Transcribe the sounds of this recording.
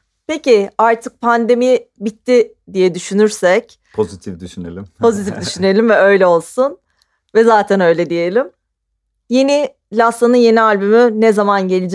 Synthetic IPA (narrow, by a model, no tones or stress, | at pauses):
pe̞cɪaɾt̪ʰɯk̚pʰand̪e̞mibit̪ʰːɪ | d̪ijɛd̪yʃynyɾsɛc | pʰozit̪ʰifd̪yʃynḛlʲimʰo̞zit̪ʰifd̪yʃyne̞lʲimvɛø̞jlʲɛo̞lˠsun | vɛzaːt̪ʰɛnø̞jlʲɛd̪ije̞lʲim | jeni | lʲasanɯnje̞nialʲbymynɛzamanɟe̞lʲid͡ʒ